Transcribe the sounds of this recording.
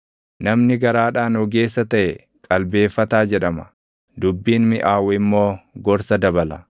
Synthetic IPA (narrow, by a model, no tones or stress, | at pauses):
nɐmnɪɡɐɾaːᶑaːnɔɡe̞ːsːɐt̪ɐʔɛ | kʼɐlbe̞ːfːɐt̪aːd͡ʒɛᶑɐmɐ | d̪ʊbːiːnmɪʔaːwɛɪmːo̞ːɡɔɾsɐd̪ɐbɐlɐ̰